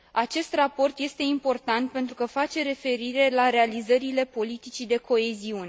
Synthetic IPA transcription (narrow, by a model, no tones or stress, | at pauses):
at͡ʃe̞st̪rapo̞rt̪je̞st̪e̞impo̞rt̪ant̪̚pe̞nt̪ɾukəfat͡ʃe̞ɾe̞fe̞ɾiɾe̞laɾe̞alizəɾile̞po̞lit̪it͡ʃid̪e̞kʰo̞e̞ziune